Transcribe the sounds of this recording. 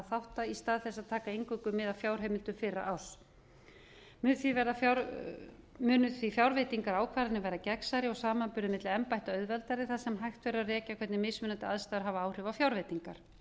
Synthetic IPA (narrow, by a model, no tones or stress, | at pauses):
θawht̪aist̪aːðθɛsːaðt̪ʰaːkaejŋkʏkʏmːɪðaðfjaːwɾ̥ɦeːmɪlt̪ʏmfɪɾːa̰ʔal̥ | mʏnθvivɛɾðafa | mʏːnʏθifjawɾvejt̪iŋkaɾaːwkʰvaːɾɪnɪvajɾðacɛksaɾɪɔɣsaːmanpʏɾðɪmɪt̪lɪɛmpajht̪aœɥðvɛlt̪aɾɪθaðsɛmɦajxt̪vɛːɾʏarɛːcakʰvɛt̪nɪmɪsmʏnant̪ɪaðst̪aːðʏɾ̥ɦavaaːwr̥ʏvawfjawɾvejt̪iŋkaɾ̥